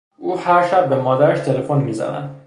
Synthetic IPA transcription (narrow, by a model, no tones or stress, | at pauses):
ʔuːhæɾʃæb̚ːemɒːd̪æɾeʃt̪ʰelefonmiːzæ̰næ̰nd̪